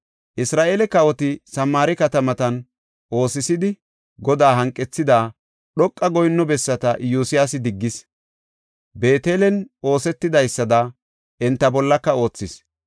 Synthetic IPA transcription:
ʔɪsɾaːʔelɛkɐwɔt̪ɪsɐmːaːɾɪkɐt̪ɐmɐt̪ɐn | ʔo̞ːsɪsɪd̪ɪ | ɡɔd̪aːɦɐŋkʼːɛt͡sːɪd̪aː | ɗɔkʼːɐɡɔjnːɔbɛsːɐt̪ɐjuːsɪjaːsɪd̪ɪɡːɪs | be̞ːt̪e̞ːlɛno̞ːsɛt̪ːɪd̪ɐjsːɐd̪ɐ | ʔɛnt̪ːɐbɔlːɐkːɐo̞ːt͡sːɪs

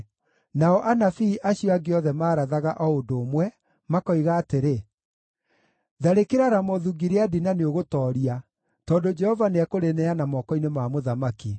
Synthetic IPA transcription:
naɔʔanafiːʔaɕiɔaɡeɔðɛmaːɾaðaɣaʔɔodoːmwɛ | makɔiɣaːteɾe | ðaɾekeɾaɾamɔðuɡiɾeadinaneoɣotɔːɾia | tɔndod͡ʒɛhɔvaneakoɾenɛanamɔkɔinemamoðamaki

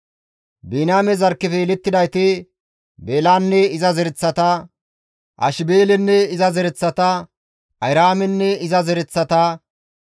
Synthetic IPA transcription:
biːnaːmɛzɐɾkːɪfɛːlɛt̪ːɪd̪ɐjt̪ɪ | beːlaːnːɛɪzɐzɛɾɛt͡sːɐt̪ɐ | ʔɐ̰ʃɪbeːlɛnːɛɪzɐzɛɾɛt͡sːɐt̪ɐ | ʔɐjɾaːmɛnːɛɪzɐzɛɾɛt͡sːɐt̪ɐ

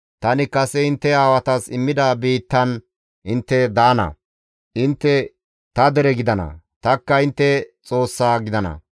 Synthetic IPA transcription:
t̪ɐnɪkɐsɛɪnt̪ːɛaːwɐt̪ɐsɪmːɪd̪abiːt̪ːɐn | ɪnt̪ːɛd̪aːnɐ̰ | ʔɪnt̪ːɛ | t̪ɐd̪ɛɾɛɡɪd̪ɐnɐ̰ | t̪ɐkːɐɪnt̪ːɛt͡sʼo̞ːsːaːɡɪd̪ɐnɐ̰

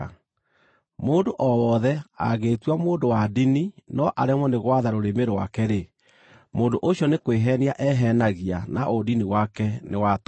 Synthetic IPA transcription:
moːndoʔɔwɔðɛa̰ɣeːtwamoːndowadininɔʔaɾemwɔneɣwaðaɾoɾemeɾowakɛɾe | moːndoʔoɕjɔnekweɦɛniaʔɛɦɛnaɣianaʔodiniwakɛnewat

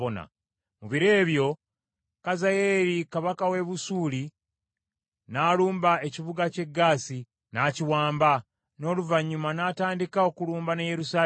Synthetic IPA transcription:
ona̰ | muβiɾe̞ːβjo̞ | kazajeɾikaβakawe̞βusuːli | naːluːmbae̞ciβuɡace̞ɡːaːsi | naciwaːmba | no̞ːluvaɲːumanaːtaːndikao̞kuluːmbanaje̞ɾusaː

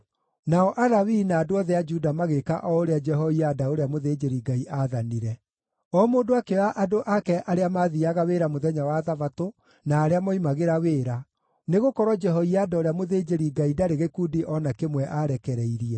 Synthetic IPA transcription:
naɔʔaɾawinaːdoɔðɛad͡ʒudamaɣeka̰ʔɔoɾead͡ʒɛɦɔiadaoɾeamoðed͡ʒeɾiɡaiʔaðaniɾɛ | ɔmoːndoakeaʔadoʔakɛʔaɾeamaðiaɣaweɾamoðɛɲawaːðavato | naːɾeamaimaɣeɾaweːɾa | neɣokɔɾɔd͡ʒɛɦɔiadaoɾeamoðeːd͡ʒeɾiɡaidaɾeɣekudiʔɔnakemwɛʔaɾɛkɛɾɛiɾiɛ

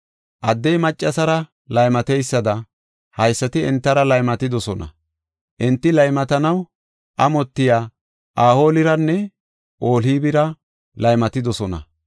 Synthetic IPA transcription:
ʔɐd̪ːɛjmɐt͡ʃʼːɐsɐɾɐ | lɐjmɐt̪ɛjsːɐd̪ɐ | hɐjsːɐt̪ɪɛ̰nt̪ːɐɾɐlɐjmɐt̪ɪd̪ɔsɔnɐ̰ | ʔɪnt̪ːɪlɐjmɐt̪ɐnɐw | ʔɐmɔt̪ːɪjaː | ʔaːho̞ːlɪɾɐnːɛ | ʔo̞ːliːbɪɾɐ | lɐjmɐt̪ɪd̪ɔsɔnɐ̰

